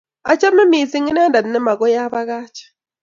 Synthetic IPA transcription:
a˨t͡ʃa˦mɛ˦mi˨sɪ˦ŋɪ˦nɛ˦nda˨dnɛ˦ma˨ɡɔ˦ja˦ba˦ɣaː˦t͡ʃḁ˨

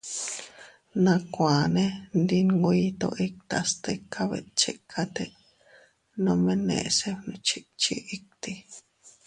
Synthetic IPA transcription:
nã˧kʷãː˨nẽ˦nd̪i˧ŋɡu˧˦i˧˦t̪o̰˧ʔi˦k̚t̪a˧st̪e˧kʰːa˦βḛ˨t͡ʃe˧kʰa˦t̪e˦˧ | nõ˧mẽ˦˧nḛ̃˨ʔse˦nũ˧t͡ʃi˦t͡ʃi˦ʔi˦k̚t̪i˧

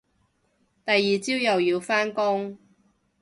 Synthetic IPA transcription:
t̪ɐ˨jːiː˨t͡siː˥wjɐ˨wjiː˧wfaː˥nkʊ˥ŋ

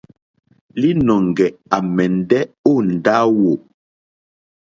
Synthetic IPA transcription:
li˦nɔ˨ŋ˨ɡɛ˨a˨mɛ˨n̩˨dɛ˦o˦˨n̩˨da˦wo˨

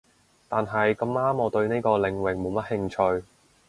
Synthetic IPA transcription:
t̪aː˨nɦɐ˨jkɐ˧maː˥mɔː˨˧t̪ɵ˧ɥne˥jkɔː˧lɪ˨˧ŋwɪ˨ŋmo˨˧wmɐ˥t̚hɪ˧˥ŋt͡ʃʰɵ˧ɥ

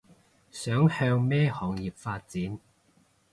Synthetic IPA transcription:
sœː˨˥ŋhœː˧ŋmɛː˥hɔː˨˩ŋjiː˨p̚faː˧t̚t͡siː˨˥n

